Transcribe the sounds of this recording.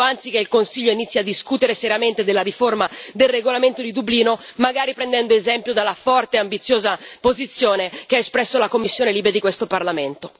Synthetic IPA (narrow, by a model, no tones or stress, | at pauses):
ant̪sikeilkonsiʎːoinit̪sːjiad̪ːiskut̪eɾeseɾiament̪ed̪elːaɾiformad̪elreɡolament̪od̪id̪ubliːnomaɡaːɾipɾɛnd̪ɛnd̪oezɛmpjod̪alːafɔrt̪eambit̪sːjoːzapozit̪sːjoːnekeaespɾɛsːolakomːisːjoːneliːbɾed̪ikwest̪oparlament̪o